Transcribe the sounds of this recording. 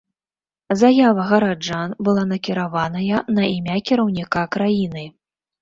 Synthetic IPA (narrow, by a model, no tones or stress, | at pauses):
zajavɐɣɐɾad͡ʐanbɨlˠanɐkʲiɾavanɐjɐnɐimʲakʲiɾɐwnʲikakɾajinɨ